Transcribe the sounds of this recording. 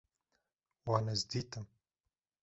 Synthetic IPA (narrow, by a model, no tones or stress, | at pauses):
waːnɐzd̪it̪ʰɨm